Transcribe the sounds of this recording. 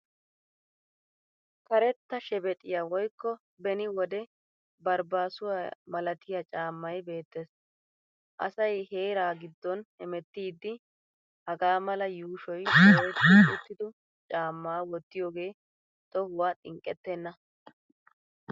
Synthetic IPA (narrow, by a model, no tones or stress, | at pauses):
kɐɾɛt̪ːɐʃɛbɛt̪ʼɪjawɔjkːɔ | bɛnɪwɔd̪ɛ | bɐɾbaːsʊwamɐlɐt̪ɪjɐt͡ʃʼaːmːɐjbe̞ːt̪ːes | ʔɐ̰sɐjhe̞ːɾaːɡɪd̪ːɔnhɛmɛt̪ːiːd̪ːɪ | hɐɡaːmɐlɐjuːʃɔjɔɾɛt̪ːɪʊt̪ːɪd̪ʊ | t͡ʃʼaːmːaːwɔt̪ːɪjoːɡe̞ː | t̪ɔhʊwaːt̪ʼɪŋkʼːɛt̪ːɛnːɐ